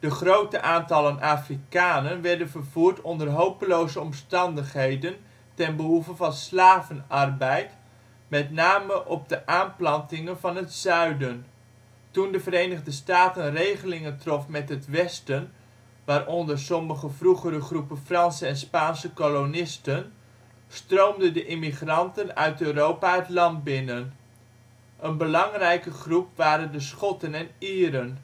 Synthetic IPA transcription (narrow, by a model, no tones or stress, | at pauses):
d̥əχrowtəʔaːntɑlənaːfrikaːnənʋɛɹdənvərvuːrtɔndərɦowpəlowzəɔmstɑndəχɦejdən | tɛnbəɦufəvɑnslaːvənɑrbɛjt | mɛtnaːməʔɔb̚dəʔaːnplɑntɪŋənvɑnɦətsœɥdən | tundəvərejnəχdəstaːtənrejχəlɪŋəntrɔfmɛtɦətʋɛstən | ʋaːɾʔɔndərsɔməχəvruχəɾəχrupənfrɑnsəɛnspaːnsəkolonɪstən | strowmdəndəʔɪmiχrɑntənœɥtøːrowpaətlɑnd̚bɪnən | ʔənbəlɑŋrɛjkəχrupʋaːɾəndəsχɔtənɛniːɾən